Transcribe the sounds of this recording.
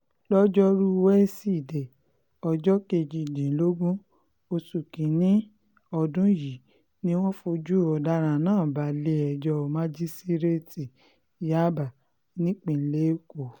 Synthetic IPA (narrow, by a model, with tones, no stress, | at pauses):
lɔ˦d͡ʒɔ˦ɾu˦wɛ˦si˦˨de˨ | ɔ˧d͡ʒɔ˦ke˧d͡ʒi˧˨dĩ˨˦lo˦ɡũ˦ | o˧su˨kĩ˨nĩ˦ | ɔ˧dũ˦ji˨ | nĩ˦w̃ɔ̃˦fo˧d͡ʒu˦ɔ˨da˧˦ɾ̃ã˧˨nãː˦˨ba˨˦le˧˦ɛ˨d͡ʒɔ˧˨mã˦d͡ʒi˦si˦ɾe˦ti˨ | ja˦ba˨ | nĩ˦k͡pĩ˧˨˦le˦ko˨